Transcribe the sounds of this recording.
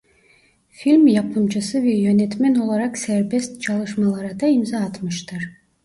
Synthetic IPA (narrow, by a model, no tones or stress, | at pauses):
filʲmjɑpʰɯmt͡ʃʰɯsɯvɛjønɛt̪mæno̞lˠɑɾɑqsæɾbest̪̚t͡ʃʰɑlˠɯʃmɑlˠɑɾɑd̪ɑimzɑːt̪mɯʃt̪ɯɾ